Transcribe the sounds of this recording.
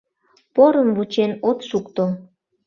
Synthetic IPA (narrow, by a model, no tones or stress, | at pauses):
poɾəmvut͡ɕenot̪ʃukt̪o